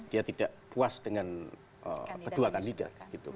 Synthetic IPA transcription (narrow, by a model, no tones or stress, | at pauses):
d̥iat̪idaʔpuasd̥əŋan | ʔə̰kəduakandida̰t̪̚ɡ̥it̪u